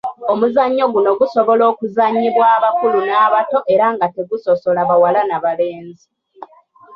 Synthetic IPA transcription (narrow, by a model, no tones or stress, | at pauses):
o̞muzaɲːo̞ɡuno̞ɡuso̞βo̞lo̞ːkuzaɲːiβwaːβakulunaːβato̞ʔe̞ɾaŋɡate̞ɡuso̞so̞laβawalanaβale̞ːnzi